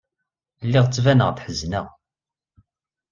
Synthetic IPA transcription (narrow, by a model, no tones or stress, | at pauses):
lːɪʁt͡sːvænəʁðħəznəʁ